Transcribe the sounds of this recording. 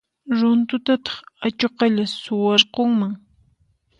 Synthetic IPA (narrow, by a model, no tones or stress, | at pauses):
ɾʊnt̪ʊt̪at̪ɑ̥χat͡ʃoqɑʎasʊwɑɾqoŋmaŋ